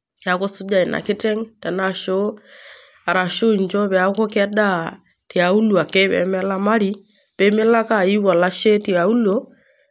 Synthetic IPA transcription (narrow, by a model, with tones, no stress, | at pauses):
ja˨ko˦su˦d͡ʒa˨i˨nʔa̰˨ki˦tɛ˦ŋtɛ˨na˨ʃo˦ | a˨ɾa˨ʃo˦˨ɲd͡ʒɔ˦βɛ˨a˦ko˦ka˦da˦ | ti˨a˨u˦lu˨a˨ke˦βɛ̰˨mɛ˦la˦ma˦ɾi˦ | pɛ˦me˦la˦ka˦˨i˦wa˨la˦ʃe˦ti˨a˨u˦lo˦